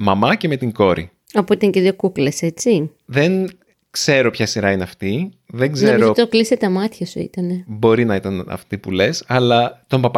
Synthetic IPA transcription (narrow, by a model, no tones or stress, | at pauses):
mɐmɐce̞me̞t̪iŋɡo̞ɾḭ | ɐpoit̪ɐŋceðʝokukle̞se̞t͡siðe̞n | kse̞ɾo̞pçɐsiɾɐine̞ɐft̪i | ðe̞ŋɡzniɾoot̪ːt̪okliset̪ɐmɐt̪çɐsuḭt̪ɐne̞bo̞ɾinɐit̪ɐnɐ̰ft̪ipule̞sɐlɐt̪o̞mpɐpɐ